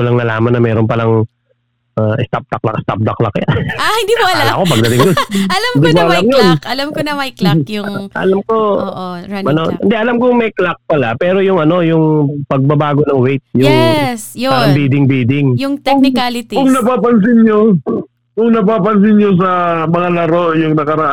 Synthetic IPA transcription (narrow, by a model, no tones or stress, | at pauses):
kʊlɐŋnɐlaːmɐnːɐmɛːɾonpɐlaŋ | ʔaʔɪst̪ap̚d̪ɐk̚lakst̪a̰p̚d̪ɐklakjaahɪnd̪ioɐlla̰kopɐɡ̚d̪ɐt̪ɪŋɡosɐlamɪnd̪imoɐlamjonkɐlamkonɐmɐjklajʊŋʔɐ̰lamko̞ʔoɐnonɪ̰nd̪ɛʔɐlamkʊŋmɛjklak̚pɐlapɛːɾo̞jʊŋʔɐno̞jʊŋpɐɡ̚bɐbaːɡonɐŋwejt̪̚sjʊŋsɐmbiːd̪ɪŋbiːd̪ɪŋjʊŋt̪ɛɪkalɪt̪ikʊŋnɐpaːpɐns̬ɪnɲo | kʊŋnɐpaːpɐns̬ɪnɲos̬ɐmɐŋalɐɾojʊŋnɐkɐɾɐʔa